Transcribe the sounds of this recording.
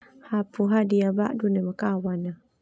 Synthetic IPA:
hapuɦadiaba̰ʔdunemakawana

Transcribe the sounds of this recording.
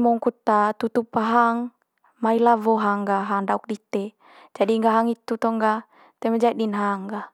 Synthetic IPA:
mɔŋkut̪at̪ut̪upaɦaŋ | mailavɔɦaŋɡaɦaŋdauk̚dit̪e | d͡ʒadiŋɡaɦaŋit̪ut̪ɔŋɡa | t̪ɛmad͡ʒaiɗinɦaŋɡa

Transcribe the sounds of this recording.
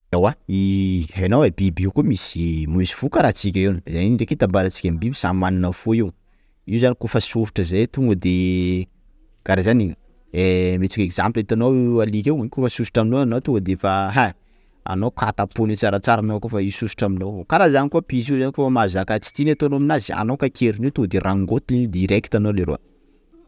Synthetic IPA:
ewaihenowabibukumisimuisi̥fukəɾat͡sikʲaiwnzaniɖ͡ʐeket̪ambaɾat͡si̥kʲambibisammaninəfoiw | iuzanikufasuɾuʈ͡ʂəzajt̪uŋɡəd̪e | ɡ̥aɾazani | emet͡sikekz̥amplit̪anoalikʲewaɲkufəsusi̥ʈ͡ʂaminoanot̪uŋɡəd̪efaɦa | a̰nokʰat̪apunit͡saɾat͡saɾanaakofaisusu̥ʈ͡ʂaminowokalazanikuapiziuzanikofamazakat͡si̥t̪inat̪onoaminazia̰nowkakʰʲeɾiniwt̪uŋɡəd̪eɾʔaŋɡot̪inid̪iiɾekt̪anoleɾo̰a̰

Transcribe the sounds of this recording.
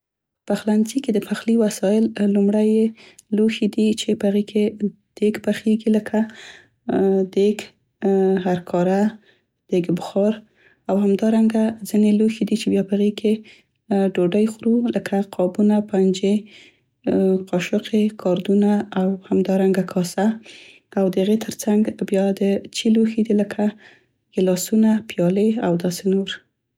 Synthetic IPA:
paxlanziked̪əpʰaxliwasɑjɪllumɽajeloxed̪it͡ʃepəaɣekʰe | d̪̥eɡpaxeɡiləkʰa | d̪eɡ | ɦaɾkʰɑɾa | d̪̥eɡbʊxɑɾ | awhamd̪ɑɾaŋɡazineloxed̪it͡ʃebjɑpəaɣekʰe | ɖoɖajxɾuləkʰaqʰɑbunapand͡ʒe | qɑʃʊqʰekʰɑɾd̪unaːwhamd̪ɑɾaŋɡakʰɑsa | awd̪əaɣet̪ʰəɾt͡saŋɡbjɑd̪ət͡ʃiloxid̪iləkʰa | jelɑsunapjɑleawd̪ɑsenoɾ

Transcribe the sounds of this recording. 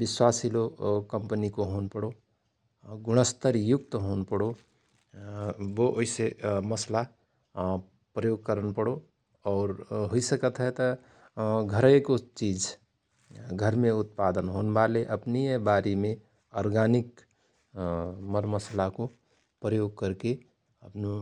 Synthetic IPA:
bɪswaːsilokəmpnikoɦonpəɽo | ɡʊɽ̃əst̪əɾjʊk̚t̪ɦoːnpəɽo | ʋoʔoiseməsla | pɾəjoːɡ̚kəɾənpəɽo | ɔːɾɦoisəkət̪ɦɛt̪ɔ | ɡʱəɾəkot͡ʃiːd͡ʒ | ɡʱəɾmẽʊt̪̚paːd̪ənɦoːnbaːleʔəpniebaːɾimẽ | ɔːɾɡaːnɪk | məɾməslako | pɾəjoːɡ̚kəɾke | əpnu

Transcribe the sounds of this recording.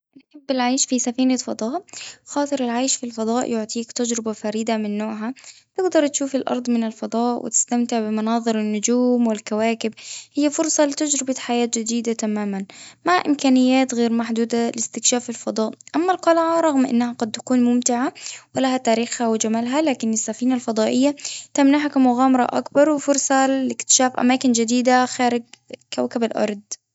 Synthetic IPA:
ʔnħɪbːɪlʕajʃfisafiːnafɑd̪ˤɑːʔxɑːt̪ˤɨɾɪlʕajʃfilfɑd̪ˤɑːʔjʊʕt̪ˤiːkt̪ad͡ʒɾɪbafaɾiːd̪amɪnːoːʕɦat̪ɪɡd̪ɑɾˤt̪ʃuːfɪlʔɑ̰ɾˤd̪ˤmɪnɪlfɑd̪ˤɑːʔwʔɪ̰t̪ɪ̥st̪amt̪ɪʕbɪmɑnɑːðˤɨɾɪnːʊd͡ʒuːmwɪlkawaːkɪbhɪjːafʊɾsˤɑlɪt̪ad͡ʒɾɪbaħajaːt̪d͡ʒɪd̪iːd̪at̪amaːmanmaʔɪ̰mkaːnɪjːaːt̪ɣeːɾmaħd̪uːd̪alɪst̪ɪkʃaːfɪlfɑd̪ˤɑːʔʔamːalqɑlʕaɾˤɑɣmʔɪ̰nːahaqɑd̪̚t̪ḁkuːnmʊmt̪ɪʕawɪlaɦat̪aːɾiːxhawɪd͡ʒamaːlɦalaːkɪnɪsːafiːnalfɑd̪ˤɑːʔɪjːat̪amnaħakamʊɣaːmɑɾˤɑ̰ʔa̰kbɑɾˤwɪfʊɾsˤɑlɪkt̪ɪ̥ʃaːfʔa̰maːkɪnd͡ʒɪd̪iːd̪axaːɾɪɡ̚kawkabalʔɑ̰ɾˤd̪̚ˤ

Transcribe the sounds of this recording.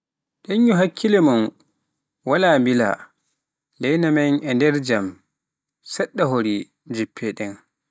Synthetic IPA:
ɗeɲːuɦakʰːilɛman | walaːmbila̰ | lɛjnamanɛndɛɾd͡ʒam | sɛɗːaɦoɾi | d͡ʒipʰːɛɗɛn

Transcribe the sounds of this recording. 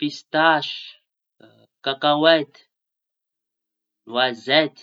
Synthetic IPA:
pist̪aʃ | kakãwɛt̪ | nwazɛt̪

